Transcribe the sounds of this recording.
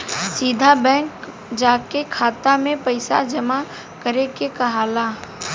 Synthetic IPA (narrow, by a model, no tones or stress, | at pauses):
siːd̪ʱabɛ̃ːŋk | d͡ʒaːkekʰaːt̪amẽpɐɪsa̰d͡ʒɐma | kəɾekekɐɦaːlaː